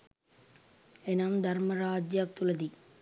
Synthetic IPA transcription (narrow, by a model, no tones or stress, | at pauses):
enaːmd̪ʱɐɾmɐɾaːd͡ʒjaːk̚t̪ulɐd̪i